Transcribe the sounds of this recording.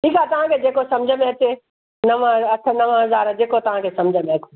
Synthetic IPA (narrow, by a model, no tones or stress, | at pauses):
ʈʰiːkat̪ɐʋ̤ãkʰed͡ʑeːkosɐ̃md͡ʑʱəmẽɐt͡ɕe | nɐʋəɐt̪ʰənɐʋə̃ɦɐzaːɾd͡ʑeːkot̪ɐʋ̤ãkʰesɐmd͡ʑʱəmẽɐkʰo